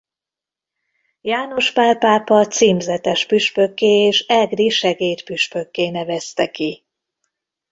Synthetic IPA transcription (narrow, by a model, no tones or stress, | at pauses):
jaːno̞ʃpaːlpaːpɒt̪siːmzɛt̪ɛʃpyʃpøkːeːeːʃɛɡriʃɛɡeːt̪pyʃpø̞kːeːnɛvɛst̪ɛki